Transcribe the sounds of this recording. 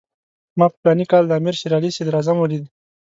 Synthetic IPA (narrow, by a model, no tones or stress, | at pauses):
mɑpə̥plɑnikɑld̪əaːmiɾʃiɾɑlised̪ɾazamwəlid̪i